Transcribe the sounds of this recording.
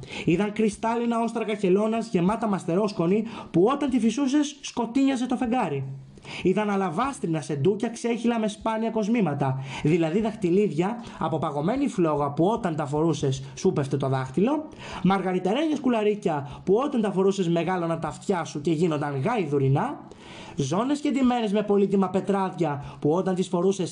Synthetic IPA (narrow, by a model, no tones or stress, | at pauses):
iðɐŋkɾist̪ɐlinɐo̞st̪ɾɐɣɐce̞lo̞nɐzʝe̞mɐt̪ɐmɐst̪e̞ɾo̞sko̞nipuo̞t̪ɐnt̪ifisuse̞sːko̞t̪iɲɐze̞t̪o̞fe̞ŋɡɐɾi | iðɐnɐlɐvɐst̪ɾinɐse̞nd̪ucɐkse̞çilɐme̞spɐniɐko̞zmimɐt̪ɐðilɐðiðɐxt̪iliðʝɐːpo̞pɐɣo̞me̞niflo̞ɣɐpuo̞t̪ɐnt̪ɐfo̞ɾuse̞sːupe̞ft̪e̞t̪o̞ðɐxt̪ilo̞ | mɐɾɣɐɾit̪e̞ɾe̞ɲɐskulɐɾicɐpuo̞t̪ɐnt̪ɐfo̞ɾuse̞zme̞ɣɐlo̞nɐt̪ɐft̪çɐsuce̞ʝino̞nd̪ɐŋɣɐiðuɾinɐ | zo̞ne̞sced̪ime̞ɾe̞zme̞po̞lit̪imɐpe̞t̪ɾɐðʝɐpuo̞t̪ɐnt̪isfo̞ɾuse̞s